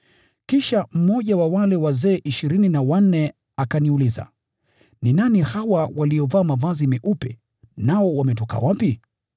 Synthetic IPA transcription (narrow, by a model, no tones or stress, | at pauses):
kiʃam̩mɔʄawawalɛwazɛːʔiʃiɾininawan̩ːɛ | akaniuliza̰ | ninanihawawaliɔvaːmavazimɛʔupɛ̰ | naɔwamɛtɔka̰wapi